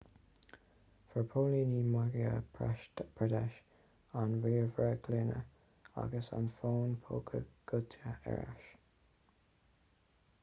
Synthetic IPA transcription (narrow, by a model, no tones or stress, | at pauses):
fəɹpʰolinimaɡiə̰pʰaʃtpʰɹɛd̪ɛʃ | anwiːɹvɹəkʰlɪnə̰ | a̰ɡəsa̰nfoːnpʰokʰəɡ̥ʊtʰəɛ̰ɹa̰ʃ